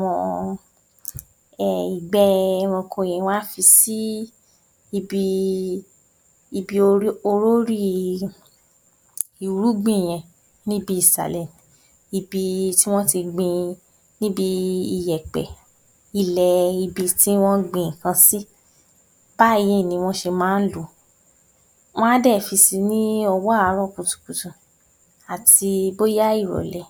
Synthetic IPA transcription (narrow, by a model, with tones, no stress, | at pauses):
mɔ̰̃˧ | ɛ˨i˨ɡ͡bɛ˨˦mɔ̃˧kʰo˧˨j̃ɛ̃˨˦w̃a˦fi˧si˦ | i˧bi˧ | i˧bi˧o˧ɾo˧ɾo˦ɾi˦ | i˨ɾu˨˦ɡ͡bĩ˦˨j̃ɛ̃˧˨ | nĩ˦bi˦i˨sa̰˨lɛ˨m˨ | i˨bi˧ti˦w̃ɔ̃˦ti˧ɡ͡bĩ˧ | nĩ˦bi˧i˨jɛ˨k͡pɛ̰˨ | i˦˨lɛ˨i˧bi˧ti˦w̃ɔ̃˦ɡ͡bĩ˨kã˧si˦ | b̥a˦˨ji˦˨nĩ˧w̃ɔ̃˦ʃe˧mãː˦n̩˦lu˨ | w̃ɔ̃˦a˦dɛ˦˨fi˧si˧nĩ˦ɔ˧wɔ˦a˨˧˦ɾɔ˦˨ku˨tu̥˨ku˨tũ˨ | a˨ti˧bo˦ja˦i˦˨ɾɔ̰˨lɛ˨